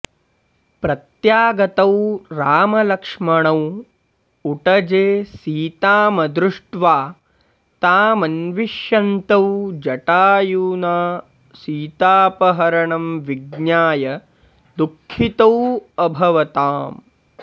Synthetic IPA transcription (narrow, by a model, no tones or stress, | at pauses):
pɾɐt̪jaːɡɐt̪ɐwɾaːmɐlɐkʂmɐɳɐw | uʈɐd͡ʒeːsiːt̪aːmɐd̪ɾuʂʈʋaː | t̪aːmɐnʋiʃjɐnt̪ɐwd͡ʒɐʈaːjuːnaː | siːt̪aːpɐɦɐɾɐɳɐmʋiɡɲaːjɐ | d̪ukʰːit̪ɐwɐbʱɐʋɐt̪aːm